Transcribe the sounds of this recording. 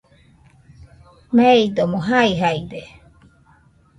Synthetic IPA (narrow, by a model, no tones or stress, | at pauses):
meid̪omoɦaiɦaid̪e